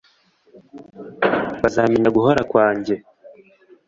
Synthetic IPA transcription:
βazaːmiɲaɡuɦoɾakwaːɲɟe̞

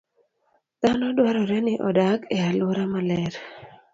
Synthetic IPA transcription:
d̪̥anɔdwaɾɔɾɛnɪʔɔdakɛalwoɾamalɛɾ

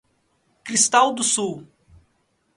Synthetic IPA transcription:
kɾist̪awd̪ʊsuw

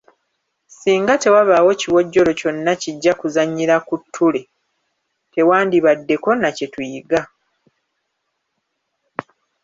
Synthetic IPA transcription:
siːŋɡate̞waβawo̞ciwo̞ɟːo̞lo̞co̞nːaciɟːakuzaɲːiɾakutʰːule̞ | te̞waːndiβadːe̞ko̞nace̞tuiɡa

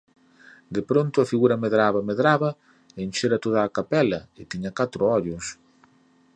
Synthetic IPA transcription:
d̪epɾont̪ʊɐfiɣuɾɐmeðɾaβɐmeðɾaβɐ | enʲʃeɾɐt̪oð̞aːkapɛlɐɪt̪iɲɐkat̪ɾʊɔʎʊs

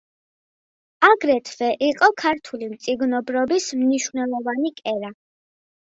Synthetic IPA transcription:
aɡɾɛt̪ʰvɛʔiqʼɔkʰaɾt̪ʰulimt̪sʼiɡnɔbɾɔbismniʃwnɛlˠɔvanikʼɛɾa

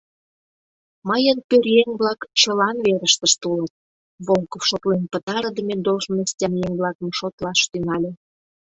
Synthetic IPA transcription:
məjənpørʲjeŋβlɑkt͡ɕəlɑnβeɾəʃt̪əʃt̪ulət̪̚ | βolˠkofʃot̪lenpət̪ɑɾəd̪ə̆mʲed̪oʃməst̪ʲɑmjeŋβlɑkmʃot̪lɑʃt̪ynɑlʲĕ

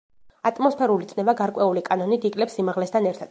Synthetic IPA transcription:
at̪ʼmɔspʰɛɾulit̪sʼnɛvaɡaɾkʼwɛulikʼanɔnid̪ikʼlɛpsimaʁlɛst̪ʰanɛɾt̪ʰad̪̥

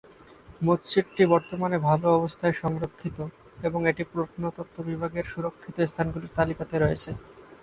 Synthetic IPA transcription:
mott͡ɕiʈʈibɔɾt̪omanebʱaloɔbost̪ʰaeʃɔŋɾokʰːit̪o | eboŋeʈipɾoʃnot̪ot̪ʰːobibʱaɡeɾʃuɾokʰːit̪oest̪ʰanɡuliɾt̪alikat̪eɾɔet͡ɕʰe

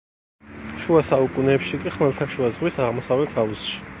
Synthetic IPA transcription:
ʃuasaukʼunɛːpʃikʼiχmɛlt̪ʰaʃuazʁwisaʁmɔsavlɛt̪ʰausʃi̥

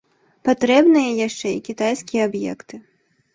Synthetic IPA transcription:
pat̪ɾɛbnɨjɐjaʂt͡ʂɛikʲit̪ajsʲkʲijɐabjɛ̰kt̪ɨ

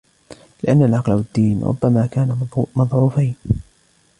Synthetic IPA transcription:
lɪʔanːalʕɑqlawad̪ːiːnɾʔʊ̰bːamaːkaːnamɑðˤʕuːfajn

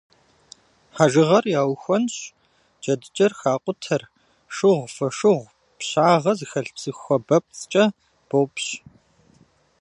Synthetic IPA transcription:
ħaʒɨʁɐrjaːwxʷɔnɕ | d͡ʒɐdɨt͡ʃʼɐrxaːqʷʼʊtʰɐr | ʂɨʁʷfɐʂɨʁʷ | pɕaːʁɐzɨxɐɬt͡sʼɨxʷɔbɐp̚t͡st͡ʃʼɐ | b̥owpɕ

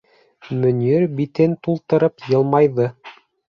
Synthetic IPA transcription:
mɵ̆njɵɾbit̪ɘnt̪ulˠt̪ɤ̆ɾɤpjɤ̆lˠmɑjðɤ

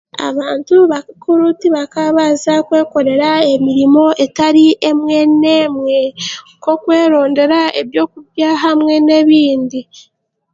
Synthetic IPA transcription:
a̰βaːntuβakkuɾutiβakaβazakwe̞ːko̞ɾe̞ɾae̞miɾimo̞ʔe̞taɾiʔe̞mwe̞ne̞ːmwe̞ko̞kwe̞ːɾo̞ːnde̞ɾaeβjo̞ːk̚uβjaɦamwe̞ne̞βiːndi

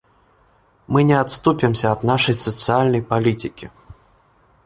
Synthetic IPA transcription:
mɨnʲɛat̪st̪upʲɛmsʲɐːd̪naʂɐjsɐt̪sɨalʲnɐjpalʲit̪ʲɨkʲi

